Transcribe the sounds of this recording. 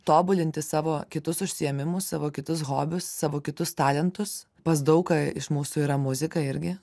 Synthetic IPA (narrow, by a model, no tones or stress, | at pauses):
t̪oːbʊlʲɪnʲt̪ʲɪsɑːʋoːkʲɪt̪ʊsʊʃʲsʲɪɛmʲɪmʊssɑːʋoːkʲɪt̪ʊs̬ɣoːbʲʊsːɑːʋoːkʲɪt̪ʊst̪ɑːlʲɛnt̪ʊs | pɐs̬d̪ɐʊkɐɪ̰ʃmuːsʊiːɾɐmʊzʲɪkɐɪɾʲɡʲɪ